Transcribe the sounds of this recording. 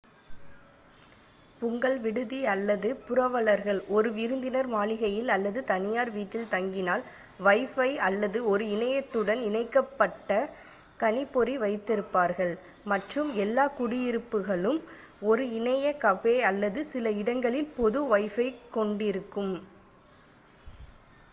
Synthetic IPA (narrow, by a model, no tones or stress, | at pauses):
pʊŋɡɐɭʋɪɽɯðiɐlːɐðɯpʊɾɐʋɐɭɐɾɣɐɭɔɾɯɪɾɯnd̪ɪnɐɾmaːlɪɣɐjɪlɐlːɐðɯt̪ɐnɪjaːɾʋiːʈːɪlt̪ɐŋɡɪnaːl | ʋɐɪfɐɪɐlːɐðɯɔɾɯɪnɐjɐt̪ːɯɽɐnɪnɐɪkːɐpːɐʈːɐ | kɐnɪpːɔɾiʋɐɪt̪ːɪɾɯpːaːɾɣɐɭ | mɐʈrɯmɛlːaːkʊɽɪjɪɾɯpːɯɣɐɭɯm | ɔɾɯɪnɐjɐkɐfeːɐlːɐðɯsɪlɐɪɽɐŋɡɐɭɪlpɔðɯʋɐɪfɐɪkːɔɳɖɪɾɯkːɯm